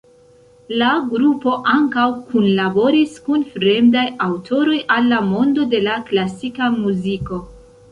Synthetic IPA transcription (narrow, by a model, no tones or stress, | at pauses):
laɡɾupo̞ʔaŋkawkunlabo̞ɾiskunfɾe̞mdajawtʰo̞ɾo̞jʔalːamo̞ndo̞de̞laklasikamuziko̞